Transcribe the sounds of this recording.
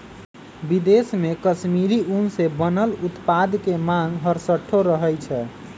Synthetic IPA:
bid̪esmekəsmiɾiunsebənəlut̪pad̪kemãŋɡɡɦəɾsəʈʰːoɾəɦɛjt͡ʃʰɛ

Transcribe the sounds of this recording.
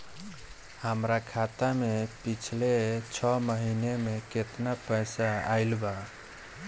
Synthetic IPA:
həmɾakʰat̪amepit͡ʃʰlet͡ʃʰɔməɦinemeket̪napəjsaaɪlba

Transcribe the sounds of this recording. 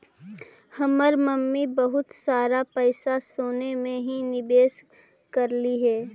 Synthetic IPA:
hɐməɾməmːibɐɦʊt̪saːɾapɛɪsasoːnemẽɦinɪbeːs | kɐɾliɦɛː

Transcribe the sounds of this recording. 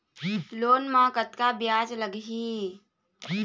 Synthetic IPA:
loːnmãːkət̪kabjaːd͡ʒləɡɦiː

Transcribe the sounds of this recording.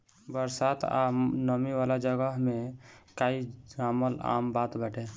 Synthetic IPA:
bəɾsat̪ʰa̰nəmiʋalad͡ʒəɡəɦmekaiaməla̰mbat̪bəʈe

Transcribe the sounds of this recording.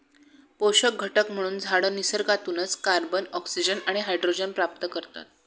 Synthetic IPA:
poɕək̚ɡʱəʈəkm̤əɽ̃uːnd͡zʱaɽəːnisəɾkat̪uːnət͡skaɾbənɔksid͡ʑənaɽ̃iɦajɖɾod͡ʑənpɾap̚t̪əkəɾt̪a̰t̪̚

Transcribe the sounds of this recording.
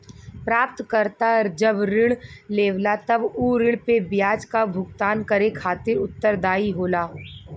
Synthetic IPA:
pɾaːp̚t̪kəɾt̪aɾd͡ʒəbɾɪɽ̃leːʋlat̪ɐbuːɾɪɽ̃pebjaːd͡ʒkabʱʊɡt̪aːnkəɾekʰaːt̪ɪɾʊt̪ːəɾd̪aːiɦoːlaː

